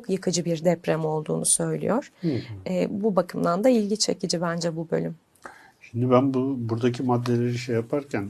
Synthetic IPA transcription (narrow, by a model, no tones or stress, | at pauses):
okjɯkʰɯd͡ʒɯbiɾd̪ɛpɾɛmo̞lˠd̪ṵːnusø̞jlʲḭjoɾ̥ɛːbubakʰɯmd̪ˠand̪ailʲɟit͡ʃʰḛcid͡ʒibænd͡ʒɛbubø̞̰lʲym | ʃimd̪ibænbubuɾd̪acʰimad̪ːelʲeɾiʃejapʰaɾcʰæn